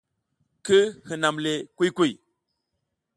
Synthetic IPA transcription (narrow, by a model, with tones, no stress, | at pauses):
kɨ˦hɨ˨na˨mle˨ku˦jku˦˨j